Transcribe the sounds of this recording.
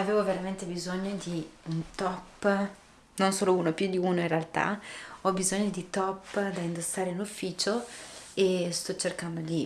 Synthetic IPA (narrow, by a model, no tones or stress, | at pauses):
aveːvoveɾament̪ebizoɲːod̪iunt̪ɔpː | nonsoːlouːnopjud̪iuːnoĩnrealt̪a̰ɔbizoɲːod̪it̪ɔpːd̪aind̪osːaːɾeinufːiːt͡ʃoest̪ɔt͡ʃːerkand̪oli